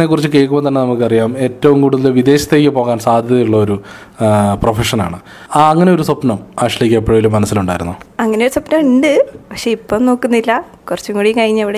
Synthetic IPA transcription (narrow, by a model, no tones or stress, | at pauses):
nekːurit͡ɕːɨke̞ɭkːumbont̪ɐnːe̞nɐmukːɨɐrijaːme̞ːtːɐʋumkuːɽuðɐlʋid̪e̞ːɕɐt̪ːe̞ːk̬ʲːɨpo̞ːɣaːnsaːd̪ʱjɐðɐjuɭːɐo̞ɾu | profeʂɐna̰ːɳɨ | aːɐŋːɐne̞o̞ɾusɐpnɐmaːʂɐlikʲːɐpːɐɻɐʋilumːɐnɐsːiluɳɖaːjiɾunːuɐŋːɐneoɾusɐpnɐmiɳɖɨpɐkʂeipːoːno̞ːkːunːilːɐ | kurɐt͡ɕːuŋkuɽijŋkɐɻiɲːɐʋiɽe